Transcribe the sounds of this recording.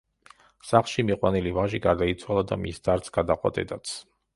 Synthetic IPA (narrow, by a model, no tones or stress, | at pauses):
saχlˠʃimiqʼwanilivaʒiɡaɾd̪ait̪sʰwalˠad̪a̰misd̪aɾt̪sʰɡ̥ad̪aqʼwa̰t̪ʼɛ̰d̪at̪sʰ